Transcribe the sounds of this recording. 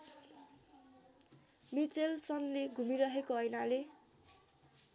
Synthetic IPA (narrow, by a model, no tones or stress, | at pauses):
mit͡selsʌnleɡʱumiɾʌɦekoʌjnale